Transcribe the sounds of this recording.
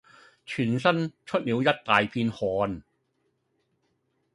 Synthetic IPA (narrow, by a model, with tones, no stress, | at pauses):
t͡ʃʰyː˨˩nsɐ˥nt͡ʃʰɵ˥t̚niː˨˧wjɐ˥t̚t̪aː˨jpʰiː˧nhɔː˨˧n